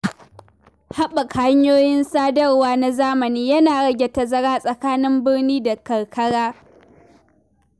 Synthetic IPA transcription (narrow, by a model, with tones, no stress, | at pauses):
ha˦ɓɐ˨ka˦ɲjoː˦jɪ˦nsaː˦dɐ˦rwaː˦na˨zaː˦mɐ˨niː˦jɐ˦naː˨ɽɐ˦ɡʲe˨ta˨zɐ˦ɽaː˦sʼɐ˨kaː˦nɪ˦mbɪ˦ɽniː˦da˨kɐ˨ɽkʰɐ˦ɽaː˦